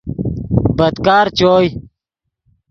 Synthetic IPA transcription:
bɐd̪kaːɾt͡ɕoːj

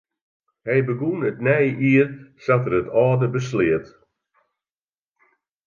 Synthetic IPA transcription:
hɛjbəɡunətnɛjʔiərsatərətʰɔːdəbəslɪət

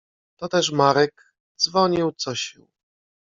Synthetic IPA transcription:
t̪ɔt̪ɛʂmaɾɛk | d̪zvɔɲiwt̪sɔɕḭw

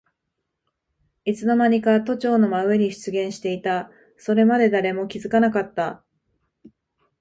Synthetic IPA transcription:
it͡sɨno̞maɲ̟ikat̪o̞t͡ɕo̞ːno̞maɯ̟e̞ɲ̟iɕi̥t͡sɨɡẽ̞ɰ̃ɕi̥t̪e̞it̪a | so̞ɾe̞mad̪e̞d̪aɾe̞mo̞kʲizɨkanakat̪ːa

